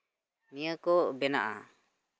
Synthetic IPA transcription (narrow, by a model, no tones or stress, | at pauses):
mijəkɔbɛna̰ʔa̰